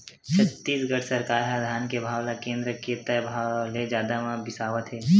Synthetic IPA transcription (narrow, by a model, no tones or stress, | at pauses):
t͡ʃʰɐt̪ːiːsɡəɽsɐɾkaːɾɦɛd̪ʱaːnkebʱaːwlakẽːnd̪ɾəkeːt̪abʱaled͡ʒjaːd̪amãbɪsaːʋət̪ɦɛː